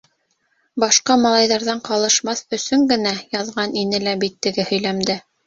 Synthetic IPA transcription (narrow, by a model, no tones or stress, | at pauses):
bɑʃqɑmɑlˠɑjðɑɾðɑɴqɑlˠɤ̆ʃmɑθɵ̆sɵŋɡɘ̆næjɑðʁɑninɘlæbit̪ːɘ̆ɡɘhɵ̆jlæmd̪ɘ